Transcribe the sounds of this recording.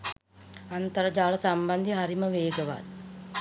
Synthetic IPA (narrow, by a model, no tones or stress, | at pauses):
ant̪əɾəd͡ʒaːɭəsamband̪iɦaɾiməʋeːɡəʋa̰t̪̚